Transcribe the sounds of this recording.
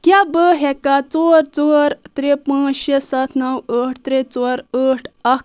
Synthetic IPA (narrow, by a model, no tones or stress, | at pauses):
kʲjabəɦɛkat͡soɾt͡sɔɾt̪ɾepãːt͡ʃʃesɐt̪ʰnɐwəʈ̚ʰt̪ɾet͡saɾəʈʰɐk